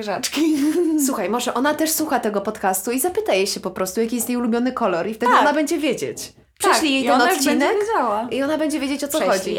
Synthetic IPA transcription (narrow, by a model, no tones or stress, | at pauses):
ʐat͡ʂkʲiswuxajmɔʐɛʔɔnat̪ɛʂswuxat̪ɛɡɔpɔt̪kast̪uizapɘt̪ajɛɕɛpɔpɾɔst̪ujakʲijɛst̪jejulubʲjɔnɘkɔlɔɾift̪ɛd̪ɨɔnabɛɲd͡ʑɛvʲjed͡ʑet͡ɕ | pʂɕlʲijejt̪ɛnɔt̪t͡ɕːinɛkved͡ʑawaiɔnabɛɲd͡ʑɛvʲjed͡ʑet͡ɕɔt̪sɔxɔd͡ʑi